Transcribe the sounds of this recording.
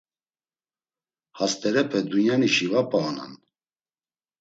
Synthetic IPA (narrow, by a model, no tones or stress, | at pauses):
hast̪ʼɛɾɛpʰɛd̪unjaniʃivapʼaːna̰n